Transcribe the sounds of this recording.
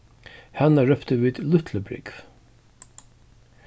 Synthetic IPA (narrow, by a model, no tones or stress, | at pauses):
hanːaɹœft̪əviːd̪lʊht̪ʰləbɾɪ̰kv̥